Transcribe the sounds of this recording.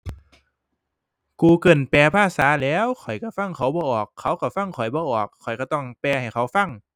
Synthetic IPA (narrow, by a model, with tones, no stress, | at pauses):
kuː˧kɤ˧˩npɛː˧pʰaː˧˥˩saː˨˩˦lɛː˨˥˨wkʰɔ˨˩jka˧˩fa˧˥˩ŋkʰa˧˦˥wbɔː˧˦ʔɔː˨˩kʰːa˨˦˥wka˧˩fa˧˥˩ŋkʰɔ˨˩jbɔː˧˦ʔɔː˨˩kʰːɔ˨˩jkɔː˧˩t̪ɔ˧˥˩ŋpɛː˧ha˨˩jxʰa˨˥wfa˧˥˩ŋ